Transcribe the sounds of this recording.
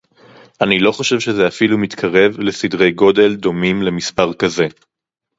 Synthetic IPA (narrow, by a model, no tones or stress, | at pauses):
ʔanilo̞χoʃe̞vʃezeafilumit̪kʰaʁe̞vle̞sidʁe̞jɡo̞de̞ld̪o̞mimle̞mispaʁkaze̞